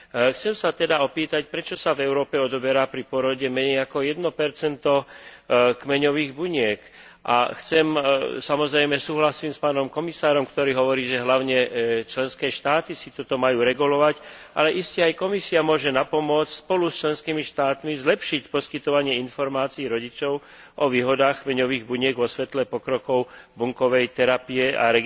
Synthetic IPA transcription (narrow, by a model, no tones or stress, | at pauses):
xt͡sɛmsat̪ɛd̪aɔpiːt̪acpɾɛt͡ʃɔsavɛʊɾɔːpɛɔd̪ɔbɛɾapɾipɔɾɔɟɛmɛɲɛjakɔjɛd̪nɔpɛɾt͡sɛnt̪ɔ | kmɛɲɔʋiːɣbuɲɪɛk | ʔa̰xt͡sɛmsamɔzɾɛjmɛsuːɦlasiːmspaːnɔmkɔmisaːɾɔmkt̪ɔɾiːɦɔʋɔɾiːʒɛɦlaʊɲɛt͡ʃlɛnskɛːʃt̪aːt̪isit̪ɔt̪ɔmajuːɾɛɡulɔʋac | ʔa̰lɛʔiscɛajkɔmisiamʊɔʒɛnapɔmʊɔt͡scspɔlust͡ʃlɛnskiːmiʃt̪aːt̪mizlɛpʃicpɔskit̪ɔʋaɲɪɛinfɔɾmaːt͡siːɾɔɟit͡ʃɔʊ | ʔɔʋiːɦɔd̪aːxkmɛɲɔʋiːɣbuɲɪɛɡʋɔsʋɛt̪lɛpɔkɾɔkɔʊbuŋkɔʋɛjt̪ɛɾapiɛa̰ɾɛ